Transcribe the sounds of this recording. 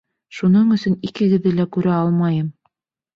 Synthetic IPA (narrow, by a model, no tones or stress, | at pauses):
ʃunɤɴɵ̆sɵnikɘ̆ɡɘ̆ðːɘlækʉɾæɑlˠmɑjɤm